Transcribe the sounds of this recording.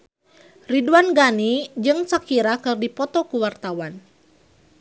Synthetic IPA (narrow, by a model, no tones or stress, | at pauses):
riduanɡanid͡ʒɨŋt͡ʃakiɾakɨrdipɔt̪ɔkuwart̪awan